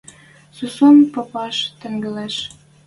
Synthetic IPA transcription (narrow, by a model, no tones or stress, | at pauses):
susompɤ̆pɑʃt̪ə̆ŋɡə̆leʃ